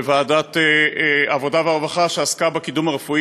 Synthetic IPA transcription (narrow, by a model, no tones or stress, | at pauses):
vaːdat̪eavo̞daveaʁvaχaʃeaskabekidumaʁefui